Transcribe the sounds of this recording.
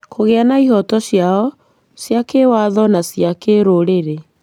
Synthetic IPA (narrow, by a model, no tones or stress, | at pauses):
kʰoɣeanaiɦɔtɔʃjaɔ | sjakewaðɔnasjakeɾoɾeɾe